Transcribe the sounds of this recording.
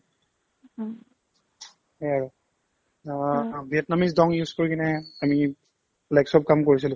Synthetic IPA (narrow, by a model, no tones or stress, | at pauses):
hɛaɹo | bʱiɛtnamisdɔŋjuzkoɹikinɛami | laksɔp̚kamkoɹis̬ilʊ